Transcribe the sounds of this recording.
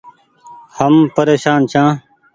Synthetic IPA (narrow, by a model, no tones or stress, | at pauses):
həmpəɾeːʃaːnt͡ʃʰãː